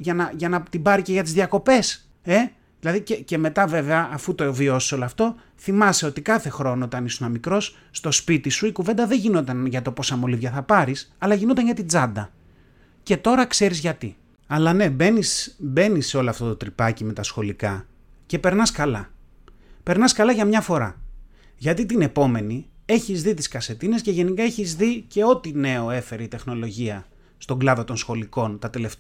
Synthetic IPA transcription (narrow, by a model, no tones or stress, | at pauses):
ʝɐnɐʝɐnɐt̪ibɐɾice̞ʝɐt̪izðiɐko̞pe̞s | e̞ | ðilɐðicece̞me̞t̪ɐve̞ve̞ɐːfut̪ovio̞si̥seo̞loɐft̪o̞ | θimɐse̞o̞t̪ikɐθe̞xɾo̞noot̪ɐnisunɐmikɾo̞s | st̪o̞spit̪isuikuve̞nd̪ɐðeʝino̞t̪ɐnʝɐt̪o̞po̞sɐmo̞livʝɐθɐpɐɾisɐlɐʝino̞t̪ɐnʝɐt̪id͡zɐnd̪ɐ | ce̞t̪o̞ɾɐkse̞ɾizʝɐt̪i | ɐlɐne̞be̞nisbe̞nisːe̞o̞loɐft̪ot̪o̞t̪ɾipɐcime̞t̪ɐsxo̞likɐ | ce̞pe̞ɾnɐskɐlɐ | pe̞ɾnɐskɐlɐʝɐmɲɐfo̞ɾɐ | ʝɐt̪it̪ine̞po̞me̞nie̞çizðit̪i̥skɐse̞t̪ine̞sce̞ʝe̞nikɐe̞çizðice̞o̞t̪ine̞o̞e̞fe̞ɾeit̪e̞xno̞lo̞ʝiɐ | st̪o̞ɡlɐðo̞t̪o̞nsxo̞liko̞nt̪ɐt̪ele̞ft̪